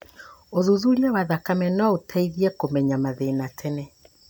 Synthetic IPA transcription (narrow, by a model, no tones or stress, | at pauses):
ozuzuɾiawaðakamɛnɔotʰɛiðiɛkomɛɲamaðenatʰɛnɛ